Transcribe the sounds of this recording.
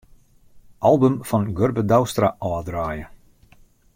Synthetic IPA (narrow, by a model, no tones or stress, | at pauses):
ʔɑlˠbəmfɔnɡørbədawstraʔɔːdraːjə